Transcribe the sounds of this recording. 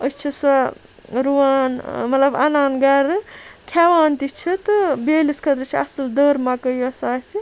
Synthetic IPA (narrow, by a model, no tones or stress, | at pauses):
əst͡ʃʰisɐ | ɾuaːnmɐt̪lɐba̰naːnɡɐɾɨkʰaʋaːnt̪it͡ʃʰit̪ɨbeːliskʰɐt̪ɾɨt͡ʃʰiɐsɐld̪əːɾmakəjɐsaːsi